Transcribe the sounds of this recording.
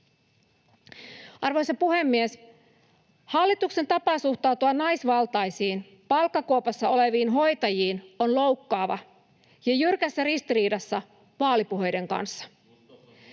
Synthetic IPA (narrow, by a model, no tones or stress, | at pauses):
ʔɑrʋo̞jsɑpuɦe̞mːies | hɑlːit̪ukse̞nt̪ɑpɑˑsuht̪ɑwt̪uɑnnɑjsʋɑlt̪ɑjsiːn | pɑlkːɑkowpɑsːɑo̞le̞ʋiːnɦo̞jt̪ɑjiːno̞nlo̞wkːɑːʋɑ̰ | jɑjyrkæsːærist̪iɾiːdɑsːɑ | ʋɑːlipuɦe̞jde̞ŋkɑ̰nsːɑ̥